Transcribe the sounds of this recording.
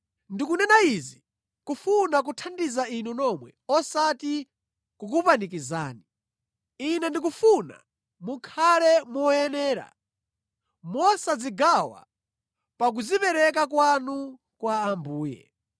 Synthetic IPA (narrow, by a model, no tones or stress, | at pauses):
ndikunɛnaizi | kufunak̬utʰandizainunɔmwɛ̰ɔsati | kuk̬upanikiza̰ːni | inɛndik̬ufuna̰ | mukʰalɛmɔɛnɛːɾa̰ | mɔsad͡ziɡawa̰ | pak̬uzipɛɾɛk̬ak̬wanu | kwaambuːjɛ̰